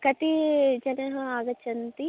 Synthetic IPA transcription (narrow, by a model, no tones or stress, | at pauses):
kɐt̪id͡ʒɐnɐɦɐ̃aːɡɐt͡ʃɐnt̪i